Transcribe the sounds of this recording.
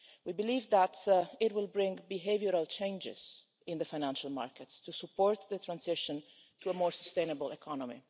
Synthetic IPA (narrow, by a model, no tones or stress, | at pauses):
wibiliːvd̪æt̪ɪtwɪlbɾɪ̃ŋbiɦevjəɾalt͡ʃẽɪ̃nd͡ʒɪ̰z̥ | ɪ̃nd̪əfajnæ̃nʃalma̰ɹkətst̪usupːɔɹt̪ðət̪ɾãnsɪʃə̃n | t̪uəmɔːɹsɔ̥st̪ẽɪnəbəlɛkʰɔnɔmḭ